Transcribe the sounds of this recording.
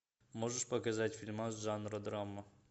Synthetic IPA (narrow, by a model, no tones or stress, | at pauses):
moʐɨʂpɐkɐzatʲfʲilʲmazʐanɾəd̪ɾamə